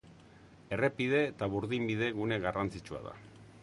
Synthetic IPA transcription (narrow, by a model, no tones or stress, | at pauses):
e̞re̞pið̞e̞ːt̪aβuɾðimbiðe̞ɣune̞ɣarant͡sit͡ʃua̰ða̰